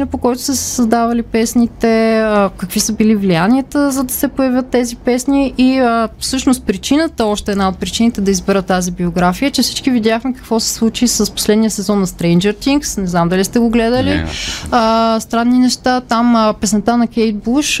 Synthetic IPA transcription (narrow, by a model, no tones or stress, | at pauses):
inəpokɔjt̪ʊ̥səssɐzd̪avɐlipɛsnit̪ɛəkəkvisəbilivlijaniət̪əzɐd̪ɐsɛpojɐvʲjət̪ːɛzipɛsniʔiəfsɤʃnost̪̚pɾit͡ʃinət̪əɔʃt̪ɛɛd̪naot̪̚pɾit͡ʃinit̪ɛd̪ɐizbɛɾət̪ːazibioɡɾafijət͡ʃɛfsi̥t͡ʃkividʲjaxmɛkə̥kvɔsɛ̥slˠut͡ʃisəspo̥slɛd̪nijəsɛzɔnːɐst̪ɾɛnd͡ʒəɾt̪iŋksnɛznamd̪ɐlist̪ɛɡoɡlɛd̪əliəst̪ɾanːinɛʃt̪at̪aməpɛsnɛt̪anɐkɛjt̪̚buʃ